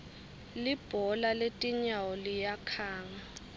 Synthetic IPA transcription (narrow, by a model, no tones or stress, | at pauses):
lib̥ʱɔlaletʼiɲawɔlijakʰaːŋa